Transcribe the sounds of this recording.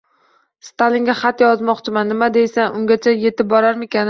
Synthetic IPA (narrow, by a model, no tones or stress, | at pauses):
st̪ʰalɪŋɡʲaχɑt̪jɒzmɒqt͡ʃʰɪmanːɪmad̪e̞jsanʊŋɡʲat͡ʃʰaje̞t̪ɪp̚bɒɾaɾmekʲan